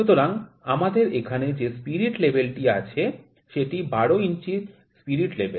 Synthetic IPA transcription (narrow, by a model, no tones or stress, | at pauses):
ut̪oɾaŋ | amad̪eɾekʰaned͡ʑespiɾiʈlebelʈia̰t͡ɕʰe | ʃeʈibaɽoint͡ɕit̪ | spiɾiʈlebʱel